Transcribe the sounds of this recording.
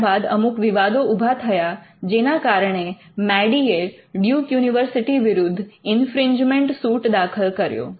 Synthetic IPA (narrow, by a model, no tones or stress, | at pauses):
bad̪ə̰mukʋɪʋad̪oubʱat̪ʰəjad͡ʒenakaɾəɳ̃e | mɛɖie | ɖjukjuniʋəɾsiʈiʋɪɾʊd̪ʱːɪnfɾɪɲd͡ʒmẽɳʈsuʈd̪akʰəlkəɾjo̰